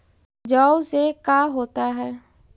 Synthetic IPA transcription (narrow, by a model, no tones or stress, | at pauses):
d͡ʒaːsekaːɦoːt̪aɦɛː